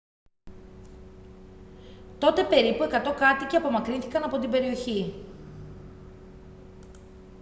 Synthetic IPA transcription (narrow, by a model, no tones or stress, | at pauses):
t̪o̞t̪e̞pe̞ɾipue̞kɐt̪o̞kɐt̪iceɐpo̞mɐkɾinθikɐnɐpo̞t̪ibe̞ɾio̞çi